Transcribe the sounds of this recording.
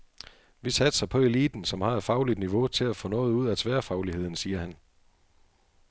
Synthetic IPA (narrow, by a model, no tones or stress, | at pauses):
ʋisæd̥sɑ̈ɪpʰɒ̽e̝lḭːd̥n̩sɒ̽mhɑ̈ed̥fɑ̈ʊlid̥niʋo̝t͡sʰe̝læfɔ̽nɔ̽ːð̩ˠuð̞̰ˠæt͡sʰʋæːɐfɑ̈ʊlihe̝ð̰ˠn̩siːɐhæn